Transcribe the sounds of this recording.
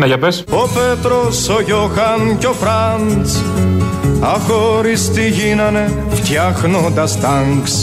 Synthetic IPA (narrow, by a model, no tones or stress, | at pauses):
nɐʝɐpesopet̪ɾosoʝoxɐnco̞fɾɐnt͡s | ɐxoɾist̪iʝinɐne | ft̪çɐxnod̪ɐst̪ɐŋks